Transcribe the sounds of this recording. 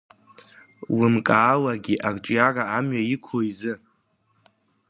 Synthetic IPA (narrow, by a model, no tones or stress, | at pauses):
wʊmkʼaːlaɡʲiʔakʼʈ͡ʂʼjaraːmɥaikʷʰoizɨ